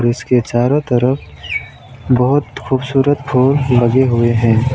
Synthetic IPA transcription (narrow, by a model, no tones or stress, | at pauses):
ɾɪsket͡ʃaːɾot̪əɾəpʰ | bəɦʊt̪xʰuːbsuːɾət̪̚pʰoːlːɐɡeɦʊeɦɛ̃ː